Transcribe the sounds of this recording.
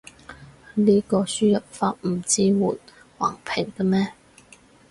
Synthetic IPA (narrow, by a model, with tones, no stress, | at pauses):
liː˥kɔː˧syː˥jɐ˨˩p̚faː˧t̚m̩˨˩t͡siː˥wuː˨˩n | waː˨˩ŋpʰɪ˨˩ŋk̪ə˧mɛː˥